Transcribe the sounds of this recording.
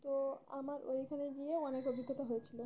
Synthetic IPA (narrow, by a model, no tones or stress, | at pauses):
t̪oa̰maɾo̰ikʰaneɡieɔnekobʱiɡ̪ʱːot̪aɦojet͡ɕʰilo